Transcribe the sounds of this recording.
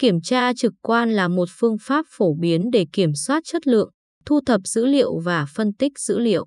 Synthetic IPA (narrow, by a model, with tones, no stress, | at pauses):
ki˧˩əmt͡ɕaː˧t͡ɕɨ˨˩kkwaː˧nlaː˨˩mo˨˩t̚fɨ˧əŋfaː˦˥p̚fo˧˩ɓi˨˦ənɗe˧˩ki˧˩əmswaː˦˥t̚t͡ɕə˦˥t̚lɨ̰˧˨əŋ | t̪ʰu˧t̪ʰə˨˩p̚z̥ɨ̰˧˥lḭ˧˨əwvaː˨˩fə˧nt̪ï˦˥k̟̚zɨ̰˧˥lḭ˧˨əw